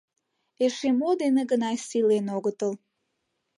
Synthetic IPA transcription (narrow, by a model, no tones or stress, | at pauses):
eʃemod̪eneɡənɑjsilenoɣət̪əl